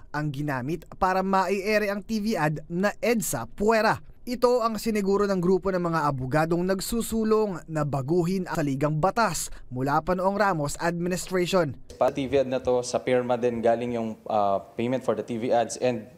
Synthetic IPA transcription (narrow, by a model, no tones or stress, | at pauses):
ʔɐŋɡɪnaːmɪt̪̚paːɾɐmɐʔɪʔɛɾɛʔɐŋt̪iːviʔɐd̪nɐʔɛd̪sɐ̰pwɛɾɐ | ʔɪt̪o̞ʔɐŋsɪnɪɡuːɾo̞nɐŋɡɾuːpo̞nɐŋmɐŋaʔɐbʊɡaːd̪o̞ŋnɐɡsuːsuːloŋnɐbɐɡuːɦɪnʔɐɐliːɡɐŋbɐt̪asmʊlaːpɐnoʔɐŋɾaːmo̞sʔɐd̪̚mɪnɪst̪ɾɛʃo̞npat̪iviʔɐd̪nɐt̪o̞sɐpɛɹmɐd̪ɛnɡaːlɪŋjʊŋʔɐpejmɛ̃nt̪̚foɹd̪ɐt̪iviʔad̪sɛnd̪̚